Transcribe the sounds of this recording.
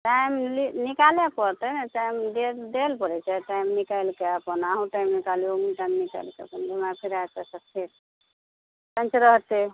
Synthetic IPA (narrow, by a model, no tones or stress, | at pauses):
ʈamlinikalepɔɾt̪ənɛ̃ʈajmd̪ed̪elpəɾɛt͡ʃaʈajmnikajlkeəpənaɦũʈaimnikaliomiʈajmnika̰ɪlkeə̰pənd͡ʒimapʰiɾatasəpʰeɾ | pə̃nt͡ʃɾəɦt̪e